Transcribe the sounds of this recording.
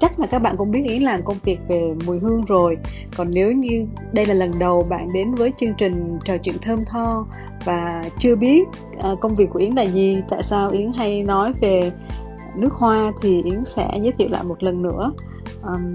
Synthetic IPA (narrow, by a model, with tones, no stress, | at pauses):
t͡ɕa˦˥k̚laː˨˩kaː˦˥k̚ɓa̰ː˧˨nkʊ̰˧˥ŋ͡mɓi˦˥ət̚ʔi˨˦ənlaː˨˩mkə˧wŋ͡mvi˨˩ək̚ve˨˩mu˨˩jɦɨ˧əŋzo˨˩j | kɔ˨˩nːe˨˦wɲɨ˧ | ɗə˧jlaː˨˩lə˨˩nɗə˨˩wɓa̰ː˧˨nɗe˨˦nvəː˨˦jt͡ɕɨ˧əŋt͡ɕï˨˩ŋ̟t͡ɕəː˨˩t͡ɕwḭ˧˨ənt̪ʰəː˧mt̪ʰɔ˧ | vaː˨˩t͡ɕɨ˧əɓi˦˥ət̚ | ʔə˨˩kə˧wŋ͡mvi˨˩kːu˧˩˨ʔi˨˦nlaː˧˨˩zi˨˩t̪a̰ː˧˨jsaː˧wʔi˨˦əŋɦa˧jnɔ˨˦jve˨˩ | nɨ˦˥ək̚hwaː˧t̪ʰi˨˩ʔi˨˦əŋsɛ̰˧˥zə˨˦jt̪ʰḭ˧˨wla̰ː˧˨jmo˨˩t̚lə˨˩nːɨ̰˧˥ə | ʔəː˨˩m